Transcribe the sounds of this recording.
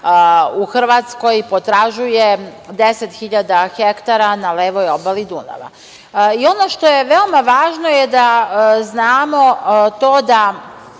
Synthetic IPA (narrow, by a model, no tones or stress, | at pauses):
uxr̩ʋat̪sko̞jpo̞t̪ɾaʒujed̪eset̪xiʎad̪axekt̪aɾanaleːʋojobalid̪una̰ʋa̰ | io̞no̞ʃt̪o̞je̞ʋe̞omaʋaːʒno̞jed̪aznaːmo̞t̪o̞ːd̪a